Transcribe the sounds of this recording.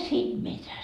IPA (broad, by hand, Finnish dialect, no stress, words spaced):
siːm mitæ